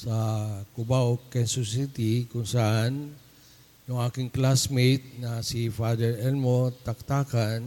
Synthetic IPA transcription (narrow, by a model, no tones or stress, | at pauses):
sakubaukɛnsusit̪ikunsan | joakiŋklasmet̪̚nasifadəɾɛlmot̪akt̪akan